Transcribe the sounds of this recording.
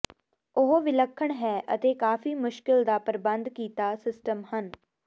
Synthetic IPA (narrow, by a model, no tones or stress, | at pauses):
ʊɦoʋɪləkʰːəɳɦɛːʔə̰t̪eːkaːfʰiːmʊʃkɪld̪aːpəɾbə̃nd̪kiːt̪aːsɪsʈəmhən